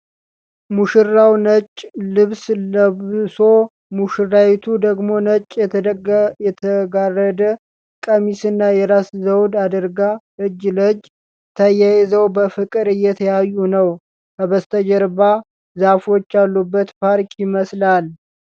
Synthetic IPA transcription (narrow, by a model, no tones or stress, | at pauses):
muʃɨrawnət͡ʃʼlɨβsəso̞ | muʃɨrawit̪ʰud̪əɡmo̞nət͡ʃʼːjɛɡjɛt̪ʰəɡarːəd̪ə | kʼəmisɨnːajɛɾaszəwd̪ad̪əɾɡaʔɨd͡ʒːləd͡ʒ | t̪ʰəjajɛzəwbəfɨkʼɨɾɨjːɛt̪ʰəjajːunəw | kəβəst̪ʰəd͡ʒəɾba | zafo̞t͡ʃːalːubːət̪pʰaɾkʼjɪməslal